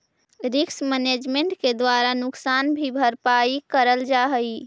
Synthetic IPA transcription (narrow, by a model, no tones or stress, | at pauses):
ɾiksmɛned͡ʒmeɳʈked̪waɾanʊksanbʱibʱəɾpaikəɾəld͡ʒaɦəi